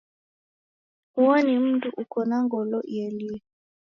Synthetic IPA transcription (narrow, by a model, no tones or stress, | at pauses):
uɔnim̩tuʔukɔnaŋɡɔlɔʔjɛli